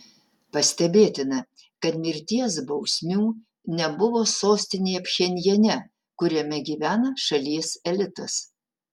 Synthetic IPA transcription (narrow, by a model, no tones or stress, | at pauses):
pɐsʲt̪ʲɛbʲeːt̪ʲɪnɐ | kɐt̪mʲɪɾʲt̪ʲiɛsbɒʊsʲmʲuː | nʲɛbʊʋoːsoːsʲt̪ʲɪnʲeːjɐpʲʃʲɛnʲjɛnʲɛ | kʊɾʲɛmʲɛɡʲiːʋʲæːnɐʃɐlʲiɛsɛlʲɪt̪ɐs